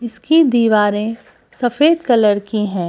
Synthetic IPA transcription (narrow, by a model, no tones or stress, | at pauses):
ɪskid̪iːʋaːɾẽ | sɐfeːd̪kɐləɾkiɦɛ̃ː